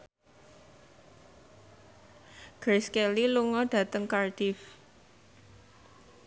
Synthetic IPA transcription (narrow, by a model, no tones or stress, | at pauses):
ɡ̥ɾeskeliluŋɔɖ̥ä̤t̪əŋkarɖ̥if